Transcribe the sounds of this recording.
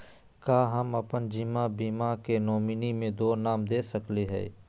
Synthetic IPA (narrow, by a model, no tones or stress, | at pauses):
kaːɦəməpənd͡ʒiːmãbiːmakenoːminimẽd̪oːnaːmd̪eːsəkleɦɛ̰ː